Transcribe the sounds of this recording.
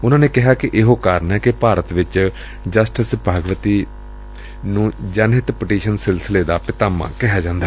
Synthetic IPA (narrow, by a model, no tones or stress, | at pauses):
ʊnãːnẽːkɪɦaːkɪʔɪɦoːkaːɾənɛːkɪpaːɾət̪ʋɪt͡ʃ | d͡ʒəsʈɪsbʱaːɡəʋət̪iː | nũːd͡ʒənɦɪt̪pɪʈiːʃənsɪlsɪleːd̪aːpɪt̪aːmã̰ːkɪɦaːd͡ʒãːnd̪a